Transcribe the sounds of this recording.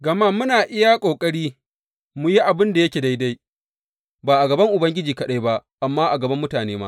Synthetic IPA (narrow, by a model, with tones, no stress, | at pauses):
ɡɐ˨maː˦mʊ˦naː˨ʔɪ˦ja˦kʷʼoː˨kʼɐ˦ɽiː˦ | mʊ˦ji˦ʔa˨bɪ˦nda˨jɐ˦kʲeː˨da˦jda˦j | baː˨ʔa˨ɡɐ˨bɐ˦ŋʔʊ˨bɐ˦ŋɡʲɪ˦d͡ʒiː˨kɐ˦ɗa˦jba˦ʔʔa˨mːaː˦ʔa˨ɡɐ˨bɐ˦mːʊ˦taː˨neː˦ma̰˦